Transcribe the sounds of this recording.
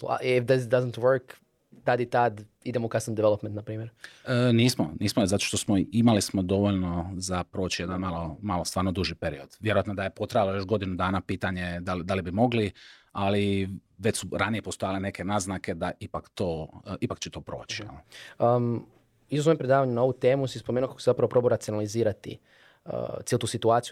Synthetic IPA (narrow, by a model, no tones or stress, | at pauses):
a̰ifd̪ezd̪azənt̪ʋəɾk | t̪ad̪jet̪ad̪ | id̪emoukasnand̪iʋelˠopment̪napɾiːmjeɾəniːsmo̰niːsmozat̪o̞ʃt̪osmoimalismo̞d̪o̞ʋoʎno̞zapɾoːt͡ɕije̞d̪anmalˠo̞malo̞st̪ʋaːɾno̞d̪uʒipeɾio̞d̪ʋje̞ɾoat̪nod̪ajepo̞t̪ɾajalˠojo̞ʃɡo̞d̪inud̪aːnapiːt̪aɲe̞d̪alid̪alibimo̞ɡlialiʋet͡ɕsuɾanijepost̪ojalene̞kʰe̞naznake̞d̪aipakt̪oːipakt͡ɕet̪o̞pɾoːt͡ʃi̥jḛlnoə | izozoempɾed̪aːʋaɲunaout̪e̞ːmusispomeːnuokako̥sezapɾaʋopɾo̞boɾat̪sionaliziːɾat̪ḭ | ə̰t̪ielˠut̪uːsit̪uaːt̪siju